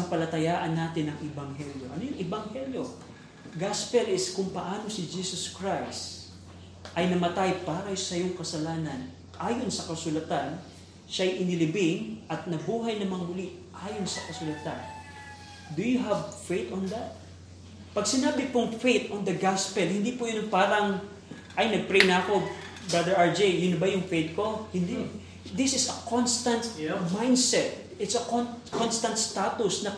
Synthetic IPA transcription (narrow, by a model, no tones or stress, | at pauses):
ɐŋpɐlɐt̪ɐjaːʔɐnːaːt̪ɪnɐŋʔɪbɐŋɦɛljo̞ʔɐnojʊŋʔɪbɐŋhɛljo̞ | ɡaspɛlɪskʊŋpɐʔaːno̞sɪd͡ʒiːsɐskɹajst̪ | ʔɐjnɐmɐt̪ajpaːɾɐsɐjoŋkɐsɐlaːnɐn | ʔaːjo̞nsɐkɐsʊlɐt̪an | ʃajʔɪnɪlɪbɪŋʔɐt̪̚nɐbuːɦɐjnɐmɐŋɐmʊlɪ | ʔaːjo̞nsɐkɐsʊlɐt̪an | d̪ʊjʊɦɐvfejt̪ɔ̃nd̪at̪̚ | pɐɡsɪnaːbɪpʊŋfejt̪ɔnd̪ɐɡaspɛlhɪnd̪iːpʊjʊnɐŋpaːɾɐŋ | ʔɐjnɐɡ̚pɾejnɐɐko̞bɹad̪ɛɹaɹd͡ʒejjʊnbajʊŋfejt̪̚ko̞hɪnd̪i | d̪ɪsɪsɐkʰonst̪ɐ̃nt̪mãjnd̪sɛt̪̚ | ɪt̪sɐkonkonst̪ɐnt̪st̪at̪ʊsnɐ